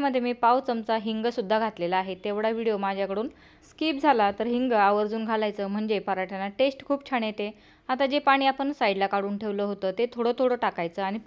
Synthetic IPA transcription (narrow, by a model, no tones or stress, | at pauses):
məd̪ʱːjemiːpawt͡səmt͡saɦiŋɡəsud̪ʱːaɡʱat̪lelaaɦet̪ːeʋɽaʋiɽijomad͡ʑʱjakəɽuːn | skiːp̚d͡zʱalat̪əɾɦiŋɡəaʋəɾd͡zuːnɡʱalajt͡səːm̤əɳd͡ʑepəɾaʈʰjanaʈesʈkʰuːb̚t͡ɕʰaɽ̃et̪e | at̪ad͡ʑepaɽ̃iːapəɳsaiɖlakaɽuːnʈʰeʋləːɦot̪əːt̪et̪ʰoɽət̪ʰoɽəːʈakajt͡səːaɽ̃i